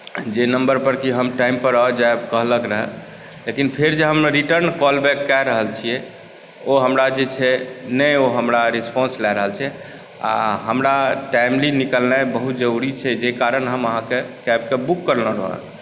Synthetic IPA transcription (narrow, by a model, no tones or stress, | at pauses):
d͡ʒenəmbəɾpəɾkiɦəmʈaimpəɾɔd͡ʒaebkəɦləkɾəɦɛ | lekinpʰeɾd͡ʒeɦəmeɾiʈəɾnkɔlbɛkːɛɾəɦəlt͡ʃʰijɛ | oɦəmɾad͡ʒet͡ʃʰɛnəjoɦəmɾaɾispɔ̃nslɛɾəɦəlt͡ʃʰɛ | a̰ɦəmɾaʈajmlinikəlnabəɦut̪d͡ʒəɾuɾit͡ʃʰɛd͡ʒekaɾənɦəməɦãkekɛbkebukːəɾnɔɾə̰ɦə̰